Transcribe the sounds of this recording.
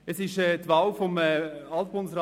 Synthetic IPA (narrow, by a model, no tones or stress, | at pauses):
əsɪʃɛːtʋawfɔmɛɑlt̚b̥ʊndəs̬ɾɑ